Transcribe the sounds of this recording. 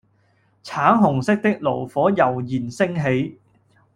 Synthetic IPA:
t͡sʰaː˨˥ŋɦʊ˨˩ŋsɪ˥k̚t̪ɪ˥k̚lo˨˩wfɔː˨˥jɐ˨wjiː˨˩nsɪ˥ŋɦe˨˥j

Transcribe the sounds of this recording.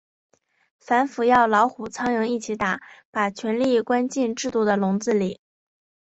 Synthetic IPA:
fa˧˥nfu˨˩jɑ˥˩ʊlɑ˧˥ʊxu˨˩t͡sʰɑ˥ŋɻɤ˧˥ŋi˥˩t͡ɕʰi˧˥t̪a˨˩˦pa˨˩t͡ɕʰɥɛ˧˥nli˥˩kwa˥nt͡ɕi˥˧nʈ͡ʂɻ̩˥˧t̪u˥˩d̪ə˩lʊ˧˥ŋt͡sɹ̩˥˩li˨˩˦

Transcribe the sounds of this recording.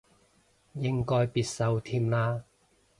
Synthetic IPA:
jɪ˥ŋkɔː˧jpiː˧t̚sɐ˨˧wt̪ʰiː˧mlaː˧

